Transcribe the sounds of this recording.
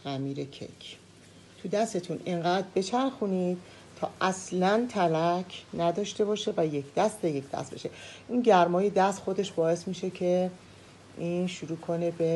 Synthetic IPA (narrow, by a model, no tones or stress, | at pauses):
ʔæmiːɾe̞cʰḛcʰ | t̪ʰud̪æst̪et̪ʰuneŋɢæːd̪̚be̞t͡ʃʰæɾxuniːd̪̥̚ | t̪ʰɒːʔæslænt̪ʰælæcʰnæd̪ɒːʃt̪e̞bɒːʃe̞væje̞cʰd̪æst̪eje̞cʰd̪æ̰st̪be̞̰ʃe̞ʔinɟæɾmɒːje̞d̪æst̪xo̞d̪e̞ʃbɒːe̞smiːʃe̞cʰe | ʔiːnʃuɾuːkʰo̞ne̞be̞